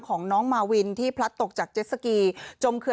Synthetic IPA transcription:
kʰɔː˩˦ŋnɔː˦˥ŋmaː˧wi˧nt̪ʰiː˥˩pʰɾa˦˥t̪ːo˨˩k̚t͡ɕaː˨˩k̚t͡ɕe˦˥t̪̚sa˧kiː˧t͡ɕo˧mkʰɯ˧

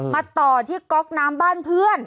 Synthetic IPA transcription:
maː˧t̪ɔː˨˩t̪ʰiː˥˩kɔ˦˥k̚naː˦˥mbaː˥˩npʰɯ˥˩ən

